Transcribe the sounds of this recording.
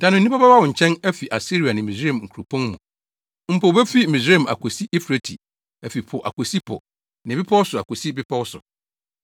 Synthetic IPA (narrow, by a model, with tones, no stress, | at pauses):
d̥ã˨nʊ̃˨˦ĩ˦pa˦ba˦a˦wʊ̃˨ɲ̩˨t͡ɕʰɛ̃˦nɛ˦fi˨ʔa˨si˦ɾi˨a˨nɪ̃˨mĩ˨se˦˨mŋ̩˨kʰu˨ɾu˨pʰɔ̃˦nmũ˨ | m̩˦pʰo˨bɛ˦fi˦mĩ˨se˦˨ma̰˨kʰo˨si˦ʔi˦fɾe˨tʰḭ˨ | ɛ˨fi˨pʰʊ˨ʔa̰˨kʰo˨si˦pʰɔ̰˨ | nɪ̃˨bɪ˦pʰɔ˦wsʊ˨a̰˨ko˨si˦bɪ˦pʰɔ˦wsʊ˨